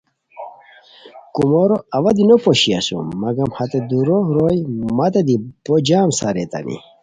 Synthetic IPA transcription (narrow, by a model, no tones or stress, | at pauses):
kumoɾoɐʋɐd̪inopoɕia̰sṵmːɐɡɐmhɐt̪ed̪uɾohɾojmɐt̪ed̪ib̥od͡ʑaːmsaɾet̪a̰nʔḭ